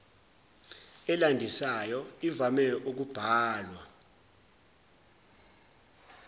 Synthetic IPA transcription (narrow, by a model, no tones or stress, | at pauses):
ɛlandʱisajɔivamɛuk̬ub̥ʱaːlwa